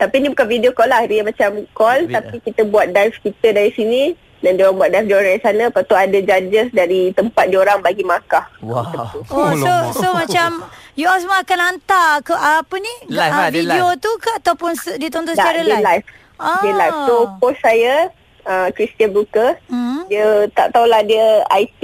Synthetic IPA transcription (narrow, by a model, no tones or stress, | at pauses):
t̪apinibukanvidiokɔlahdiəmãt͡ʃamkɔlt̪apikit̪əbuat̪̚dajfkit̪ədaɾisini | dandioɾaŋbuat̪̚dajfdioɾaŋdaɾisanapat̪uadad͡ʒaɲd͡ʒəsdaɾit̪əmpat̪̚dioɾaŋbaɡimakah̪ət̪uososomat͡ʃamjuasmaakanant̪akəʔapəniviiot̪ukaat̪awpʊnsdiət̪ɔnt̪ɔsəaaɾələlajf | adəlajfsokosːajə | əkɾist̪ianblukədiət̪a̰ʔt̪aulahdiəa̰jt̪i